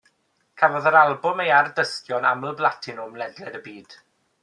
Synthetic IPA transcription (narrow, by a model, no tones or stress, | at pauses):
kʰavɔðəɾalˠbʊmejardəstjɔna̰məlˠblˠatʰɪnʊmlˠɛdlɛdəbiːd̥